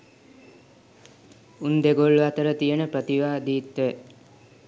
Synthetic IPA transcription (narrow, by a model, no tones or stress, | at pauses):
und̪eɡoɭːuat̪əɾət̪ijənəpɾət̪iʋaːd̪iːt̪ʋe